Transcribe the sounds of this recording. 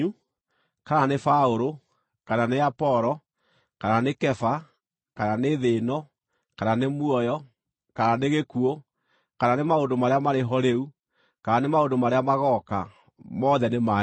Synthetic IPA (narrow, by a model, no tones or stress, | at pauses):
u | kananefaoɾo | kananeapɔɾɔ | kananekɛfa | kananeðenɔ | kananemwɔjɔ | kananeɣekuo | kananemaondomaɾeamaɾeɦɔɾeu | kaanemaondomaɾeamaɣɔka̰ | mɔðɛnema